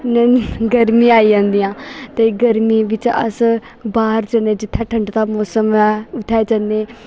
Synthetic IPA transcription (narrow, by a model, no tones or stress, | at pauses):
nɛ̃ɡəɾmĩːaːiːd͡ʒãːnd̪ijãːt̪eːɡəɾmiːʋɪt͡ʃə̰s | baːəɾd͡ʒəneːd͡ʒɪt̪ʰːaːʈʰəɳɖt̪aːmɔːsəmɛʊt̪ʰːaːeːd͡ʒənːeː